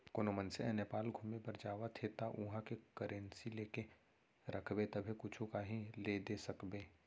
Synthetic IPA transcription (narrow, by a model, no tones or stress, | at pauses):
koːnomənseɛ̃nepaːlɡʱumepɐɾd͡ʒaːʋat̪ʰeːt̪aʔʊɦãkekəɾʔẽnsileːke | ɾəkʰbet̪ɐbʱekʊt͡ʃʰõkaɦiled̪esɐkbeː